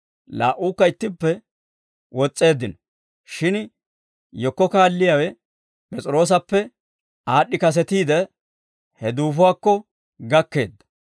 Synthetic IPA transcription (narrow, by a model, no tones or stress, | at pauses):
la̰ːʔuːkːɐɪt̪ːɪpːɛ | wɔt͡sʼːe̞ːd̪ːɪnɔ | ʃɪn | jɔkːɔkaːlːɪjawɛ | pʼɛt͡sʼɪɾo̞ːs̬ɐpːɛ | aːɗːɪkɐs̬ɛt̪iːd̪ɛ | hɛd̪uːfʊwaːkːɔ | ɡɐkːe̞ːd̪ːɐ̥